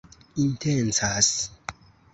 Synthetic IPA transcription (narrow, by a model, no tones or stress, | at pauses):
intent͡sas